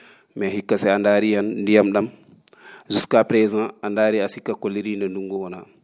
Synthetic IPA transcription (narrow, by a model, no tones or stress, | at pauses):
mɛɦikːasɛandaɾijandijamɗam | zuskapɾɛzãandaːɾiasikːakolːiɾindɛnduŋɡuwɔna